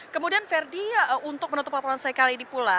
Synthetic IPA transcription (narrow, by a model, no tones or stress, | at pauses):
kəmudianfɛrdiunt̪ʊk̚pənunt̪ʊplapɔɾansaikalidipula